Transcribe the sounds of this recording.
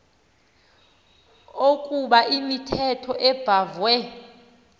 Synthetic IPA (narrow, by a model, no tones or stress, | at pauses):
okʼuɓaʔimitʰɛtʰɔʔɛb̥ʱavwɛ